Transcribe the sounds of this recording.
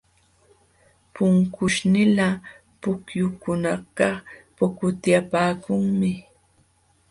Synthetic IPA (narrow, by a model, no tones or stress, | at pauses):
pʊŋkʊʃnɪla | pʊkjʊkʊnɑqɑpʊkʊt̪japaːkʊŋmɪ